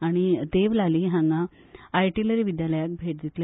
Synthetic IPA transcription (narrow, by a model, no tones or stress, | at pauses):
aɽ̃it̪eʋlaliːɦãŋɡa | ajʈiləɾiːʋid̪jaləjak̚bʱeʈ̚d̪it̪le